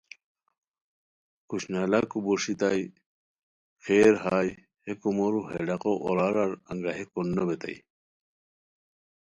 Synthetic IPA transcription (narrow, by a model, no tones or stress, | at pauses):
kuɕnalakuboʂit̪aj | xeːɾɦaːj | hekumoɾuɦḛɖaqoʔoɾaɾaɾɐ̰ŋɡaɦekonːobet̪a̰j